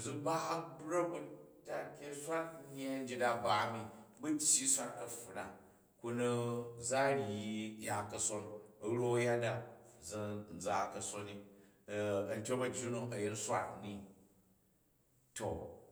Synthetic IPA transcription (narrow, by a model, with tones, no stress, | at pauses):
d͡zu˦ba˦ɐ˦bɾɐ˦bu˦ta˨˦kʲe˦sʷa˦tɲe˦n̩˦d͡ʒi˦da˦ba˨˦mi˨bu˦t͡ʃʲji˦sʷa˦ntɐ˨fu˨na˨ | ku˧nu˦za˦ɾji˨ja˦kɐ˨so˦nɐ˦ɾo˦ja˦da˨d͡zi˦n̩˨d͡za˨kɐ˨so˦ni˨ | ɐ˨n˦tʲo˦mɐ˨d͡ʒu˦nu˦ɐ˨je˦nsʷa̰˦tni˦ | to˨